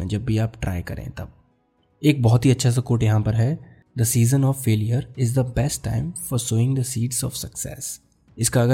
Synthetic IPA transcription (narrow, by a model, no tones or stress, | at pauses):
ɛ̰̃d͡ʒɐbːiaːpʈɾʔa̰ːɪkɐ̰ɾḛ̃t̪ɐ̰b̚ | eːk̚bɔɦʊt̪ɦiɐtːʃʰas̬ɐkoːʈjɐɦãpɐɾɦɛ | d̪əsiːzə̃nɔːʋfeːlijəɾɪzd̪əbɛsʈːã̰ɪ̃mfɔɾsoːɪ̃ŋd̪əsiːɖzɔ̰ːʋsɐksɛ̰ːs | ɪskaːɡə